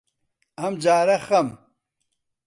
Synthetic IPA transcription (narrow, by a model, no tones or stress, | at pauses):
ɐmd͡ʑaːɾɐxɐm